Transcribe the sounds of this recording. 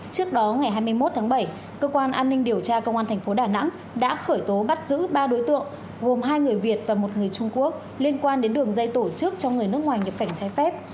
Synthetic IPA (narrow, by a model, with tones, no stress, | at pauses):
t͡ɕɨ˦˥ək̚ɗɔ˨˦ŋa˨˩jɦaː˧jmɨ˧əjmo˦˥t̚t̪ʰːŋɓə˧˩j | kəː˧kwaː˧nʔaː˧nːï˧ŋɗi˨˩əwt͡ɕaː˧kə˧wŋ͡mʔaː˧t̪ʰɛ˨˩ŋ̟fo˨˦ɗaː˧˩na̰˧˥ŋ | ɗa̰ː˧˥xəː˧˩jt̪o˨˦ɓa˦˥t̚zɨ̰˧˥ɓaː˧ɗo˨˦jt̪ɨ̰˧˨əŋ | ɣo˨˩mɦaː˧jŋɨ˨˩əjvi˨˩ət̚vaː˨˩mo˨˩t̚ŋɨ˨˩əjt͡ɕʊ˧ŋ͡mku˦˥ək̚ | li˧ənkwaː˧nɗe˨˦nɗɨ˨˩əŋzə˧jt̪o˧˩t͡ɕɨ˦˥k̚t͡ɕɔ˧ŋɨ˨˩əjnɨ˦˥ək̚ŋwaː˨˩jɲi˨˩p̚ka˧˩jŋ̟t͡ɕaː˨˦jfɛ˦˥p̚